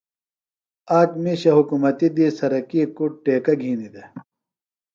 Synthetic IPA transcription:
aːkmiɕɐɦukumɐt̪id̪isɐɾɐkikuʈeːkɐɡʱiːnid̪e

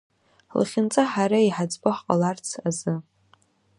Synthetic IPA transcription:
lχʲɪnt͡sʼaħaɾaiħad͡zbɨħqʼa̰lart͡sʰazɨ

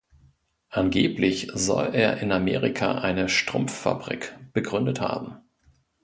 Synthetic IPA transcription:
ʔanɡeːplɪçzɔ̰leːɐʔɪnameːʁikʰaʔaɪnəʃtʁ̥ʊmfːa̰bʁḭkb̥əɡʁʏndətha̰ːbm̩

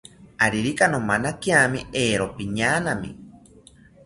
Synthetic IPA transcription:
aɾiɾikanomanakiamieːɾopiɲaːnamḭ

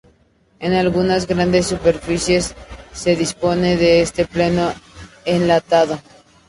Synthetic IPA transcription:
enalɣunazɣɾand̪esːupe̞ɾfisje̞sːe̞ðispo̞ne̞ðe̞est̪e̞pleno̞ | enlat̪aðo̞

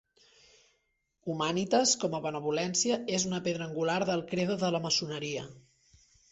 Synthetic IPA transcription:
umanit̪əskɔməβənəβ̞ulɛnsiəezunəpeðɾəːŋɡulaɾðəlˠkɾeðəðələməsunəɾiə

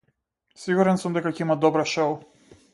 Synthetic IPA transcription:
siɡuɾɛnsumd̪ɛkacɛimad̪ɔbɾaʃɔw

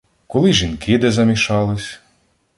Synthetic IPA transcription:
kɔlˠɪʒʲinkɪd̪ɛzɐmʲiʃɑlˠɪsʲ

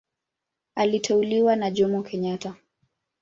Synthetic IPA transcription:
alitʰɛuliwanaʄɔmɔkʰɛɲata

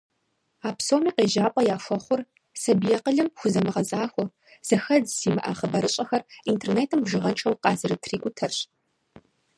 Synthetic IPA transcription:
aːpsoːmiːqeːʒaːpʷʼɔjaːʂʷɐχʷʊr | sɐbijɐqəɮɨmxʷʊzɐmɨʁɐzaːxʷɔ | z̥ɐxɐzsiːmɨʔa̰ːχəbɐɾɨɕʼɐxɐrintʰerneːtʰɨmbʒɨʁɐnt͡ʃʰɐwqɑːzɨɾɨtʰriːkʷʼʊtʰɐrɕ

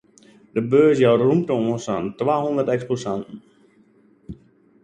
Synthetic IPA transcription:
dəbøːs̬jawrum̚təoːə̃nsantʋaːɦɔndərtɛksposantn̩

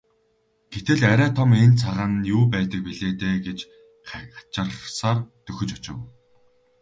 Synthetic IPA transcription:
ɡ̥et̪ɘ̆ɮæɾæːt̪ʰɔment͡sʰaʁaːnjuːpæːt̪ə̆k̚piɮeːt̪eːɡet͡ɕ | ḁt͡ɕə̆rsaːrt̪ɵxɵ̆t͡ɕɔt͡ɕɪ̆w

